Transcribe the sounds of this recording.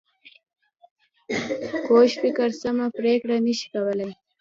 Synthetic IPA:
koʃfɪkəɾsamapɾekɽanəʃi̥kawəlaj

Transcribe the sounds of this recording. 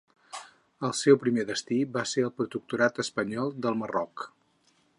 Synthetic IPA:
əlˠsɛwpɾimeðəst̪iβaseɾəlˠpɾut̪uk̚t̪uɾat̪əspəɲɔlˠd̪əlˠmərɔk

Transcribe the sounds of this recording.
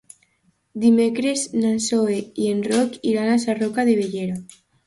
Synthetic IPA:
d̪imekɾesnansoeienrokiɾanasarokaðeβ̞eʝeɾo

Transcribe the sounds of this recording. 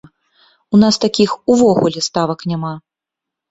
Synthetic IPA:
unast̪akʲixuvɔɣulʲɛst̪avɐknʲama

